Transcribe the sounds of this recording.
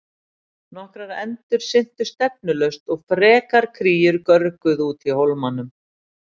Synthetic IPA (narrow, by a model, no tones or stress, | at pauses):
nɔhkɾaɾɛ̰nt̪ʏɾ̥sɪn̥t̪ʏ̥st̪ɛp̚nʏlœɥst̪ɔɣfɾɛːkaɾ̥kʰɾiːjʏɾkœɾkʏðuːt̪ʰihowlmanːʏm